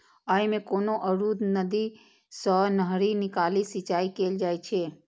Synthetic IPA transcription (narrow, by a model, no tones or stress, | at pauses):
əimẽkoːnoʔəɾud̪nəd̪i | sənəɦɾinɪkalisit͡ʃaːikeːld͡ʒaːjt͡ʃʰe